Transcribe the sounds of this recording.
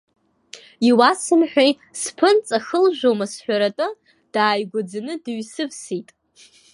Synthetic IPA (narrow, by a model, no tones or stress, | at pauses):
iwasɨmħʷᶣaj | spʰɨnt͡sʼaxəlʒᶣʷowmasħʷᶣaɾatʼɨ | d̥aːjɡʷʊd͡zanɨdɥsɨvsitʼ